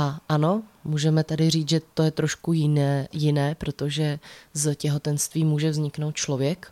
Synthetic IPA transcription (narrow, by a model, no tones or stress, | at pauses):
ʔaʔano̞muːʒɛmɛt̪adɪriːt͡sʒɛt̪o̞jɛt̪ɾo̞ʃkujɪnɛjɪnɛːpɾo̞t̪o̞ʒɛzcɛɦo̞t̪ɛnst̪viːmuːʒɛvzɲɪknowt̪̚t͡ʃlo̞vjɛk